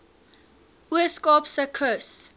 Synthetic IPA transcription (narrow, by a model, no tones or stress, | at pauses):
iskɔpsəkʰos